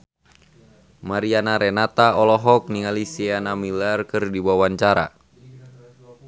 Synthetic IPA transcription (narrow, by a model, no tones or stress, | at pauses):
maɾianaɾɛnat̪aɔlɔɦɔk̚niŋalisianamilarkɨrdiwawaɲt͡ʃaɾa̰